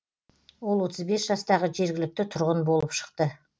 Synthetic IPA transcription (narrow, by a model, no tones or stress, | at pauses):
wo̞lˠwo̞t̪ʰəzbe̞sʒ̥ɑst̪ɑʁəʒe̞ɾɡʲɪlɪk̚t̪ɪt̪ʰʊɾʁənbolˠəpʃə̥qt̪ə